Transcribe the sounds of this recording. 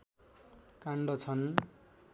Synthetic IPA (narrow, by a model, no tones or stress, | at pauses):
kaɳɖʌt͡sʰʌn